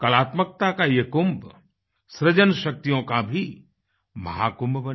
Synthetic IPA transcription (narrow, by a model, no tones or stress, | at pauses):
kɐlaːt̪mək̚t̪akajekʊmb | sɾɪd͡ʒənʃɐk̚t̪ijõkabʱi | mɐ̰ɦa̰ːkʊmbbɐn